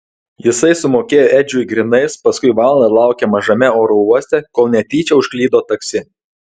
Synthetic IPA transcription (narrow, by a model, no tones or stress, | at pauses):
jɪsɐɪsʊmoːkʲeːjoːʔɛd͡ʒʲʊɪɡɾʲɪnɐɪspɐskʊɪʋɑˑlˠd̪ɐlˠɑˑʊkʲemɐʒɐmʲɛoːɾɔuɔsʲt̪ʲɛkoːlˠnʲɛt̪ʲiːt͡ʃʲɛʊʃklʲiːd̪oːt̪ɐksʲɪ